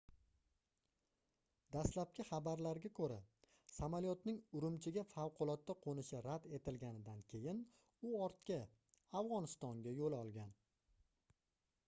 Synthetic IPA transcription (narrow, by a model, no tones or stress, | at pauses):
d̪aslap̚kʲɪχɑbaɾlaɾɡʲakʰɵɾa | samaljɒt̪nɪŋʊɾɪmt͡ʃʰɪɡʲafawqʰʊlˠɒt̪ːaqʰonɪʃɪɾad̪e̞t̪ʰɪlɡʲanɪd̪ankʲʰe̞jɪn | ʊɒɾt̪kʲa | avʁɒnɪst̪ɒŋɡʲajolɒlˠɡʲan